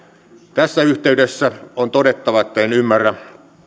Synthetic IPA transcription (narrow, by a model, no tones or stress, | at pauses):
t̪æsːæyht̪eydesːæont̪odet̪ːɑʋɑet̪ːæenymːærːæ